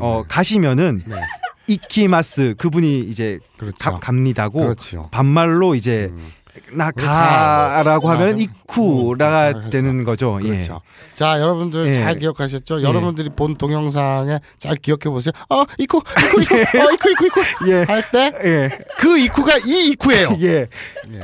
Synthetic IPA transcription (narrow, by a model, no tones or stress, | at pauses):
ʌkaɕʰimjʌnɯnnikʰimas͈ɯkɯbuɲiːd͡ʑe̞kɯɾʌt͡ɕkakamɲidaɡot͡ɕʰo̰pamːaɭːoid͡ʑe̞ | nakaɾaɡoɦamjʌnɯnikʰuɾaɡadwe̞nɯnɡʌd͡ʑoje̞o̰ | t͡ɕajʌɾʌbundɯɾjet͡ɕaɭk̬ijʌkʰaɕ̬ʰʌt̚t͡ɕ͈ojʌɾʌbundɯɾipontoŋjʌŋs̬ʰaŋe̞ | t͡ɕaɭkijʌkʰe̞bos̬ʰejoʌikʰuikʰuikʰuikʰuikʰujehaɭt͈e̞jekɯikʰuɡaiːkʰue̞joje̞